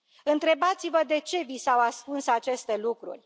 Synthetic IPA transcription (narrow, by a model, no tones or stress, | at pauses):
ɨnt̪ɾe̞bat̪sivəd̪e̞t͡ʃe̞visawaskunsat͡ʃe̞st̪e̞lukɾṵrʲ